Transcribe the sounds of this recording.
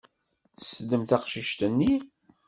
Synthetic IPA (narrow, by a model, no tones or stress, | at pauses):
θə̥səd̪ːəmt̪æqʃiʃt̪ənːi